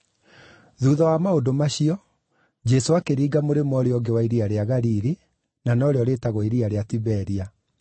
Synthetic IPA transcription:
ðuːðɔwamaodomaɕiɔ | d͡ʒɛsoakeɾiːɡamoɾemɔɾeɔɡewaiɾiaɾeaɣaɾiɾi | nanɔɾeɔɾetaɣɔiɾiaɾeatiβɛɾia

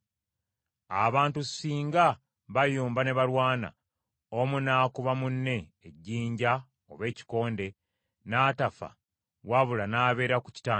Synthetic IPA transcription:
aβaːntusiːŋɡa | βajuːmbane̞βaɾwaːna̰ | omunaːkuβamunːe̞ːɟːiːɲɟa | o̰βe̞ːci̥ko̞ːnde̞ | naːtafa̰ | waβulanaːβe̞ːɾakuci̥taː

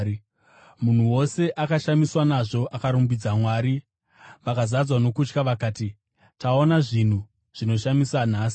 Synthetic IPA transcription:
mun̤uwo̞se̞ʔakaʃamiswanaʐo̞ʔakaɾumbid͡zamwaːɾi | ʋakazad͡zwano̞kut͡ʃkaʋakaːti | tao̞naʐin̤u | ʐ̥ino̞ʃamisan̤aːsi̥

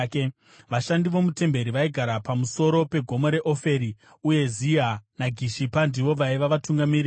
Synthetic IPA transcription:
ke | ʋaʃandiʋo̞mute̞mbe̞ɾiʋaiɡʱaɾapamuso̞ɾo̞pe̞ɡʱo̞moɾe̞ʔo̞fe̞ɾi | uje̞zianaɡʱiʃipandiʋo̞ʋaiʋaʋatuŋɡamiri

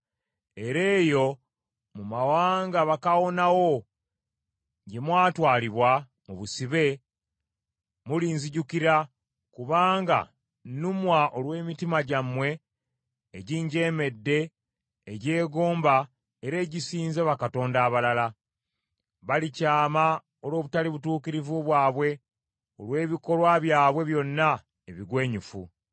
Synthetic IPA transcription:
e̞ɾe̞ːjo̞ | mumawaːŋɡaβakawo̞nawo̞ | ɟe̞mwaːtwaːliβwa | muβusiβe̞ | muliːnziɟukiɾa | kuβaːŋɡa̰ | numwaʔo̞lwe̞ːmitimaɟamwe̞ː | ɟiːɲɟe̞ːme̞dːe̞ː | ɟe̞ːɡo̞ːmba | e̞ɾe̞ːɟisiːnzeβakato̞ːndaːβalala | βalicaːma | o̞lo̞ːβutaliβutuːkiɾivuβwaːβwe̞ | olwe̞ːβiko̞lwaβjaːβwe̞βjo̞nːa | eβiɡwe̞ːɲufu

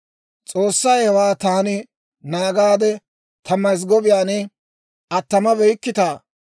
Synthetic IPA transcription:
t͡sʼoːsːɐjhɛwaːt̪aːnɪ | naːɡaːd̪ɛ | t̪ʰɐmːɐjs̬ɡɔbɪjaːnɛ | ʔɐt̪ːɐmɐbɛjkːɪt̪aː

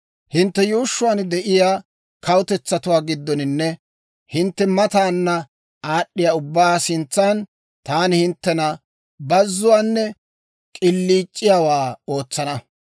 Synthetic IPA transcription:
hɪnt̪ːɛjuːʃːʊwaːnd̪ɛʔɪjaː | kɐwʊt̪ɛt͡sːɐt̪ʊwaːɡɪd̪ːɔnɪnːɛ | hɪnt̪ːɛmɐt̪aːnːɐ | aːɗːɪjaːʊbːaːsɪnt͡sːaːn | t̪aːnɪhɪnt̪ːɛnɐ | bɐzːʊwaːnːɛ | kʼɪlːiːt͡ʃʼːɪjaːwaːo̞ːt͡sːɐnɐ

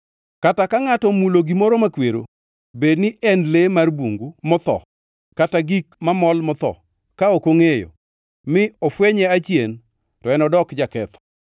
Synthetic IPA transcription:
katakaŋatɔmuloɡimoɾomakweɾo̰ | bednɪʔɛnlemarbuŋɡumɔt̪ɔ̰ | kataɡikmamɔlmɔt̪ɔ̰ | kaokoŋejo̰ | mɪɔfweɲɛat͡ʃjen | tɔɛnɔdɔkd͡ʒakɛt̪ɔ̥

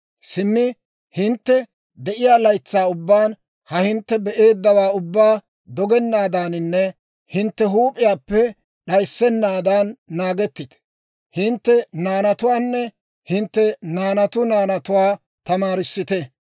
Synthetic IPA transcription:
sɪmːɪ | hɪnt̪ːɛ | d̪ɛʔɪjaːlɐjt͡sːaːʊbːaːn | hɐhɪnt̪ːɛbɛʔe̞ːd̪ːɐwaːʊbːaː | d̪ɔɡɛnːaːd̪aːnɪnːɛ | hɪnt̪ːɛɦuːpʼɪjaːpːɛ | ɗɐjsːɛnːaːd̪aːnːaːɡɛt̪ːɪt̪ | hɪnt̪ːɛnaːnɐt̪ʊwaːnːɛ | hɪnt̪ːɛnaːnɐt̪ʊnaːnɐt̪ʊwaː | t̪ɐmaːɾɪsːɪt̪ɛ

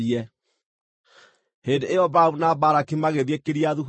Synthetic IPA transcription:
ɛ | hendeejɔbaunabaɾakimaɣeðekeɾiaðuɦ

